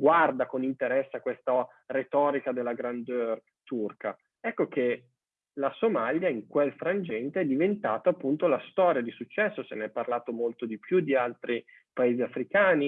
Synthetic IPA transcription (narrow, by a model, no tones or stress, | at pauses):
ɡward̪akonint̪eɾɛsːeakwest̪a | ret̪ɔːɾikad̪elːaɡɾand̪øːr | t̪urka̰ | ɛkːoke | lasomaljaiŋkwelfɾand͡ʒɛnt̪eɛd̪ivent̪aːt̪oapːunt̪olast̪ɔːɾjad̪isut͡ʃːɛsːoseneɛpːarlaːt̪omolt̪od̪ipjud̪ialt̪ɾi | paeːziafɾikaːni